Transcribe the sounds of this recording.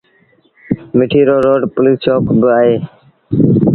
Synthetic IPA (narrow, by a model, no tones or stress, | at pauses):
mɪʈʰiːɾoːɾoːɖpʊliːst͡ʃoːkbɪaːɦeː